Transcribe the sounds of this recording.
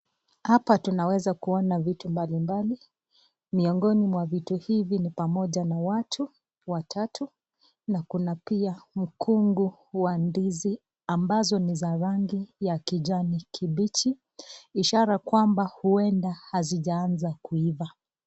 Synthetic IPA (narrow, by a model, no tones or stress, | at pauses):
hapatunawɛzakuɔnavitumbalimbali | miɔŋɡɔnimwavituhivinipamɔʄanawatʰu | watʰatʰu | nakunapiam̩kʰuŋɡu | wandizi | ambazɔnizaɾaŋɡijakiʄanikʰiɓit͡ʃi | iʃaɾakwambahuɛndahaziʄaanzakuiva